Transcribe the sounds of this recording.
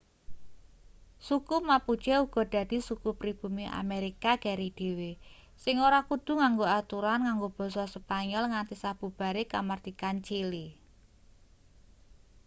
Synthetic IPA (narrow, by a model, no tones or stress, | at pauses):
sukumapu̥t͡ʃɛuɡ̥ɔ̤d̪̥ä̤d̪̥i̤sukupɾib̥ṳmiʔa̰meɾikaɡ̥a̤ɾid̪̥e̤we | sɪŋoɾakud̪̥ṳŋaŋɡoat̪uɾanŋaŋɡob̥ɔ̤sɔsəpaɲɔlŋant̪isab̥ṳb̥a̤ɾekamard̪̥ikant͡ʃili